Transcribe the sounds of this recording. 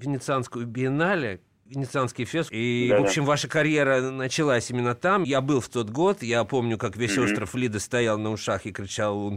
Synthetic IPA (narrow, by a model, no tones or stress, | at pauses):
vʲɪnʲɪt̪sɨanskəjʊbʲɪɪnalʲɪ | vʲɪnʲɪt̪sɨanskʲɪjfʲest̪ivo̞pɕːɪmvaʂəkɐɾʲje̞ɾənət͡ɕɪlˠasʲimʲɪnːət̪amjabɨlˠft̪o̞t̪ɡo̞t̪japo̞mnʲʊkakvʲesʲost̪ɾəflʲid̪əst̪ɐjalˠnəʊʂaxɪkɾʲɪt͡ɕalˠun